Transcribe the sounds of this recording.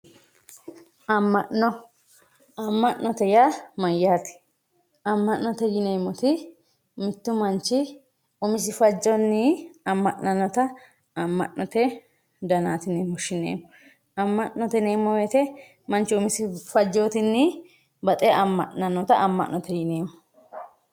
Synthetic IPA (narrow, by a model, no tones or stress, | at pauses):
ɐmːɐʔnɔ | ɐmːɐʔnɔt̪ɛjamɐjːaːt̪ɪ̥ | ɐmːɐʔnːɔt̪ɛjɪnejmɔt̪ɪ | mɪt̪ːʊmɐnt͡ʃːɪ | ʊmɪs̬ɪfɐd͡ʒːɔnːɪɐmːɐʔnɐnːɔt̪ɐ | ɐmːɐ̰ʔnɔt̪ɛ | d̪ɐnaːt̪ɪneːmɔʃɪnḛːmːɔ | ɐmːɐʔnːɔt̪ɛneːmːɔweːt̪ɛ | mɐnt͡ʃːɪʊmɪsɪfɐd͡ʒːoːt̪ɪnːɪ | bɐt̪ʼɛʔɐmːɐ̰ʔnɐnːɔt̪ɐʔɐmːɐ̰ʔnɔt̪ɛjɪneːmːɔ̥